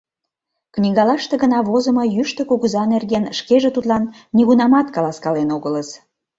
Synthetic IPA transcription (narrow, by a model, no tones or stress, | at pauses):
knʲiɣɑlɑʃt̪eɣənɑβozə̆mojyʃt̪ə̆kuɣuzɑnerɣenʃkeʒĕt̪ut̪lɑnːiɣunɑmɑt̪kɑlɑskɑlenoɣələs